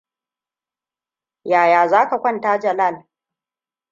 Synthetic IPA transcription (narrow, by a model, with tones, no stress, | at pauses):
jaː˨jaː˨zaː˦ka˨kʷɐ˦˨ntaː˦d͡ʒɐ˨la˦˨l